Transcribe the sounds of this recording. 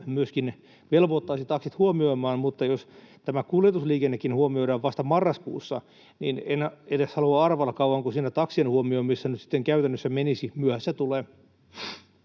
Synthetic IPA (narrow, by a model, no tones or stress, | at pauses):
myøskin | ʋelʋot̪ːɑːsit̪ɑksit̪huomioimɑːnmut̪ːɑjost̪æmækuljet̪usliːkenːekːinhuomioiɾɑːʋʋɑst̪ɑmɑrːɑskṵːsːɑ | nḭːnenet̪æshɑluɑɑrʋɑlːɑkɑuʋɑŋkusiːnæt̪ɑksienhuomioimisːænyt̪si̥t̪ːeŋkæyt̪ænːøsːæmenisimyøhæsːæt̪uleː